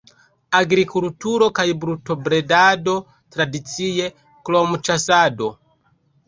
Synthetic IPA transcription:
aɡɾikultuɾɔkaibɾutɔbɾedado | tɾadit͡sijɛ | klɔmut͡ʃasado

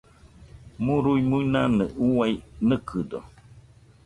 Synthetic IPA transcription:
muɾujmujnanə̰ʔuwajnəkʰɨdo

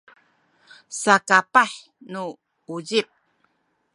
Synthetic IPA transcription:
sakapaħ | nu | uɟip̚

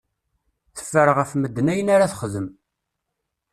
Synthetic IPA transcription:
θə̥fːəɾʁəfməd̪ːənæjənaɾaθχəðəm

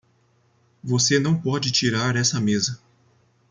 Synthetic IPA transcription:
vosenɐ̃w̃pɔd͡ʒɪt͡ʃiɾaɾɛsɐmezɐ

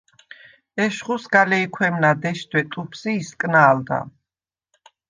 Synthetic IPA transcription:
ɛʃχusɡalɛikʰwɛmnad̪ɛʃt̪ʰwɛt̪ʼupʰsiːskʼnaːld̪a̰

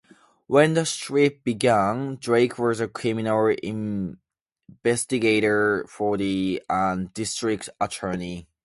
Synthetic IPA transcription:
wɛ̃nðəstɹit̚b̥iɡæ̃ndɹeɪkʰwɔzəkʰɹ̥ɪmɪnəlˠɪ̰̃ɱ | vɛstɨɡeɪɾə˞fə˞ðiə̃ndɪstɹ̥ɪk̚tətʰɜ˞ni

